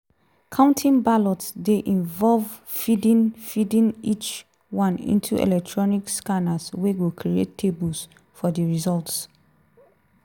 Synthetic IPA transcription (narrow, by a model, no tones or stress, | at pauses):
kʰãʊ̃ntʰĩnbalɔtsdeʔĩnvɔlv | fidĩnfidĩnit͡ʃ | wãnḭ̃ntʰṵʔɛ̰lɛk̚tʰɹɔnikskanasweɡukʰɹiḛtːʰebus | fɔdəɹizɔlts